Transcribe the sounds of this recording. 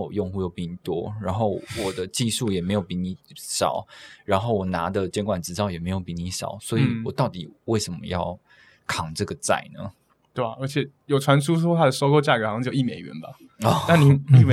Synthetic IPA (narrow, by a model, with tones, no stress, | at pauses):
jo˥˧ŋxu˥˧jo˥˧ʊpi˥˧˩ni˨˩t̪wɔ˦˥ɻa˧˥nxo˥˩ʊwɔ˨˩d̪ə˦t͡ɕi˥˧ʂu˥˩jɛ˨˩me˧˥ɪjo˨˩ʊpi˧˥ni˨˥ʂɑ̰˨˩˦ʊɻa˧˥nxo˥˩ʊwɔ˨˩na˧˥d̪ə˨t͡ɕjɛ˥nkwa˨˩nt͡sɻ̩˧˥t͡sɑ˥˩ʊjɛ˨˩me˧˥ɪjo˨˩ʊpi˨˥ni˧˥ʂɑ̰˨˩˦ʊswɔ˧˥i˨wwɔ˨˩t̪ɑ˥˩ʊt̪i˨˩we˥˩ɪʂə˧˥nmə̰˧jɑ̰˥˩ʊ | kʰɑ˨˩ŋʈ͡ʂɤ˥˩ɡə˩t͡sa̰˥˩ɪnə̰˩ | t̪we˥˩a˩ə˞˧˥t͡ɕʰjɛ˨˩jo˨˩ʊʈ͡ʂʰwa˧˥nʂʰu˥ʂ̬wɔ˥tʰa˥˩d̪ə˨˩so˥ʊko˥˧ʊt͡ɕja˥˩kə˧˥˧ji˥˩me˨˩ɪɥɛ̰˧˦nba˧˥˩ | t̪a˥˩ni˨˦i˥˩